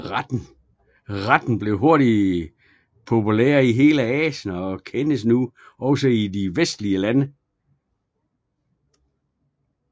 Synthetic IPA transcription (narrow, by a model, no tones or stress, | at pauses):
d̥n̩ | ʁad̥n̩b̥le̝ʊɦo̝ɐɾ̥i | pʰo̝pʰulḛːɐiɦe̝ːləɛːɕənɒkʰenəs̬nuɒ̽ʊsəidiʋesd̥liəlænə